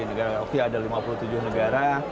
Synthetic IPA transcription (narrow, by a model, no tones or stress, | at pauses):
inəɡaɾaokeadalimapulut̪ud͡ʒʊhnəɡaɾa